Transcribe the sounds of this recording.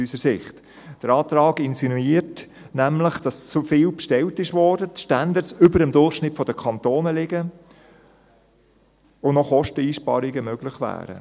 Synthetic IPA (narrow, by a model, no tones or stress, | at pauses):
ysəɾsɪχt | d̥əɾɑːt̪ɾɑːɡɪnsinuiːəɾt | næmləχd̥ɑst͡sufɪːwpʃtɛltɪʃʋɔːɾd̥ətʃtænd̪ətsʏbəɾəmdʊrχʃnɪtfɔd̥̪əkʰɑnt̪oːnəlɪɡə | ʊnɔχɔʃtəiːʃpɑ̰ːɾiɡəmøɡlɪχʋæ̰ːɾə̰